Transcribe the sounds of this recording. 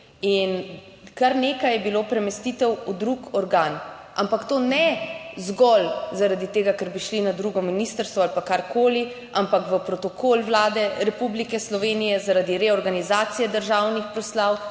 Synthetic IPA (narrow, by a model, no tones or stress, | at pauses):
in | kaɾneːkajɛbiloːpɾɛmɛst̪it̪ɛwud̪ɾukɔɾɡaːnʔa̰mpakt̪oːnɛzɡɔlzaɾad̪it̪eːɡakɛɾbiʃlinad̪ɾuɡɔminist̪əɾst̪ʋɔalpakaɾkoːli | ampakʋəpɾɔt̪ɔkoːlwlaːd̪ɛɾɛpublikɛslɔʋeːnijɛzaɾad̪iɾɛɔɾɡanizaːt̪sijɛd̪əɾʒaːwnixpɾɔslaw